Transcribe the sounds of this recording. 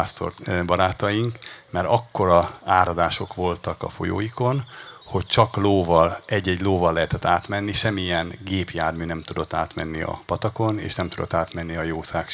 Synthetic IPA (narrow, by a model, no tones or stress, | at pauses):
ast̪o̰rbɒɾaːt̪ɒjiŋkmɛɾɒkːo̞ɾɒaːɾɒd̪aːʃo̞kʋo̞lt̪ɒkɒ̰fo̞̰jo̰ːjiko̞n | ho̞c̚t͡ʃɒkloːvɒlɛɟːɛɟloːvɒlːɛɦɛt̪ɛt̪ːaːt̪mɛnːiʃɛmːiɛnɡeːpjaːrmyːnɛmt̪ud̪o̞t̪ːaːt̪mɛnːiɒ̰pɒt̪ɒko̞nḛːʃnɛmt̪ud̪o̞̰t̪ːaːt̪mɛnːiɒjoːsaːk